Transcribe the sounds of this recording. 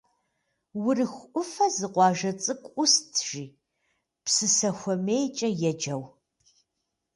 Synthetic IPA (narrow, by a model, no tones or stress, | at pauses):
wʊrɨxʷʔʷʊfɐzɨqʷɑːʒɐt͡sʼɨkʷʼʊstʰʒ̥iː | psɨsɐxʷɔmejt͡ʃʼɐjɛd͡ʒɐw